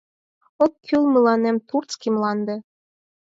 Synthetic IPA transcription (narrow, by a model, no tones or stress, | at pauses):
okʰːylməlɑnemt̪urt͡skimlɑnd̪ĕ